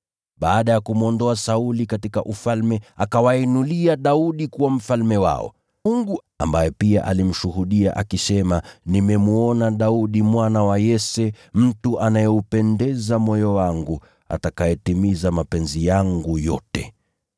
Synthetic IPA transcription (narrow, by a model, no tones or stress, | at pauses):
ɓaːɗajakumuɔndɔasaulikatikaʔufalmɛakawainuliaɗauɗikuwam̩falmɛwa̰ɔ̰ | uŋɡu | a̰mbajɛpiaʔa̰lim̩ʃuɦuɗia̰ʔakisɛmanimɛmuɔnaɗauɗimwanawajɛsɛ | m̩tuʔanajɛupɛndɛzamɔjɔwaŋɡu | a̰takajɛtimizamapɛnzijaŋɡujɔ̰tɛ̰